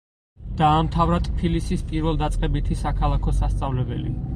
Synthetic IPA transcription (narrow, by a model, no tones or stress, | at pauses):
d̪̥aːmt̪ʰavɾat̪ʼpʰilisispʼiɾvɛlˠd̪at̪sʼqʼɛbit̪ʰisakʰalˠakʰɔsast̪sʼavlɛbɛlḭ